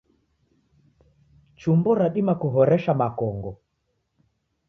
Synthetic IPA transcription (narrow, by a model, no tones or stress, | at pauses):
t͡ʃumbɔɾaɗimakuɦɔɾɛʃamakɔŋɡɔ